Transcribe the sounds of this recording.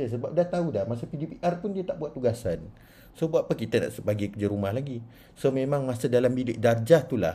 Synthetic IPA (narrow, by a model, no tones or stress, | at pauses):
əsəbap̚daht̪audahmasapidipiʔarpʊndiət̪aʔbuat̪ːuɡasan | sobuaʔpakit̪əna̰ʔsəbaɡikərd͡ʒaɾumahlaɡi | somemãŋmasədalambilɪʔ̚dard͡ʒaht̪ula̰